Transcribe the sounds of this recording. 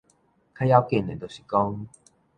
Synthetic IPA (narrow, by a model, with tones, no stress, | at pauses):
kʰa˥˦ja˥˧ʊke˥˧˨nḛ˨˩t̪o˨˩ɕi̥˨˩kɔ˦ŋ